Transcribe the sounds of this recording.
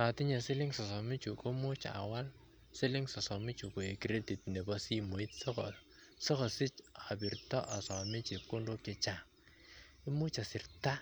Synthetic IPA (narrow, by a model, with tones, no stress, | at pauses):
a˨ti˦ɲɛ˨sɪ˦lɪ˦ŋsɔ˨sɔ˨mi˦t͡ʃu˨ko˦mu˦t͡ʃa̰˨wa˦l | sɪ˦lɪ˦ŋsɔ˨sɔ˨mi˦t͡ʃu˨ko˨e˨ki˨ɾe˦ti˨tnɛ˨bɔsi˦mo˨i˦tsɔ˦kɔ˨ | sɔ˦kɔ˨sɪ˦t͡ʃa˨bi˨rtɔ˦ʔa˨sɔ˨mɪ˦t͡ʃi˨p̚ko˦ndo˦kɪ˦t͡ʃa˨ŋ | i˦mu˦t͡ʃa˨sɪ˨rta˦